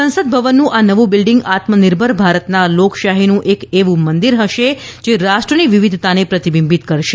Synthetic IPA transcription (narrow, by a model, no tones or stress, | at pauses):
sə̃nsəd̪̚bʱəʋənːũʔanəʋũbɪlɖɪŋɡat̪mənɪɾbʱəɾbʱaɾət̪nalokʃaɦinũʔekeʋũmənd̪iɾɦəʃed͡ʒeɾaʃʈɾəniʋiʋid̪ʱt̪anepɾət̪ibimbit̪kəɾʃe